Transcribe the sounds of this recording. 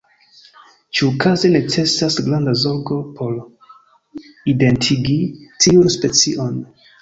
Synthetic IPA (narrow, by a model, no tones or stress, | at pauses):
t͡ʃuukazene̞t͡se̞sasɡlandazo̞ɾɡo̞pʰo̞ɾ | ide̞ntʰiɡitʰiunspe̞t͡siʔo̞n